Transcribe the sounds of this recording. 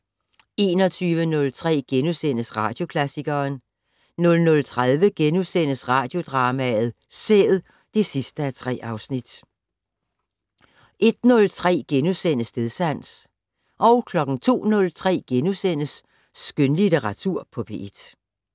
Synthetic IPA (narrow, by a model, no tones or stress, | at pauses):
e̝̰ːnɒ̽t͡sʰyːʋənɔ̽lt͡sʰʁɛ̰ːɡ̥enusen̰əsʁɑ̈d̥jo̝kʰlæsiɡ̥ɐːn | nɔ̽lnɔ̽lt͡sʰʁaðˠʋəɡ̥enusen̰əsʁɑ̈ːd̥jo̝d̥ʁɑ̈ːmæð̩ˠ | sḛːð̩ˠ | d̥e̝sisd̥əæt͡sʰʁɛ̰ːʔɑ̈ʊsnid̥ | ʔe̝d̥nɔ̽lt͡sʰʁɛ̰ːɡ̥enusen̰əsne̝ðˠsæn̰s | ʔɒ̽ʊkʰlɒ̽ɡ̥n̩t͡sʰo̝̰ːnɔ̽lt͡sʰʁɛ̰ːɡ̥enusen̰əsː | ɡ̥ønlit͡seʁɑ̈t͡sʰuɐ̰pʰɒ̽b̥ʰe̝d̥